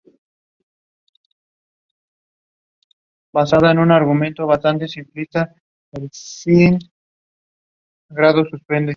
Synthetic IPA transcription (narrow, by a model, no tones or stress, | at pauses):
basaðaenunaɾɣumẽnt̪oβ̞ast̪ant̪e̞simplist̪a | elsiŋ | ɡɾaðosuspe̞nd̪e